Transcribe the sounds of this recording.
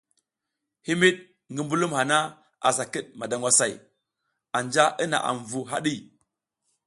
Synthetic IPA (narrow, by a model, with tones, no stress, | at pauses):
hi˦mi˦ɗ̚ | ŋɡi˦mbu˦lu˦mha˨na˦ | a̰˨s̬a˨ki˦ɗ̚ma˨da˨ŋɡʷwa˦sa˨j | a˨nd͡ʒa˦ʔi˦na̰˨ʔa̰˨ɱ˨vu˨ɦa̰˦ɗi˦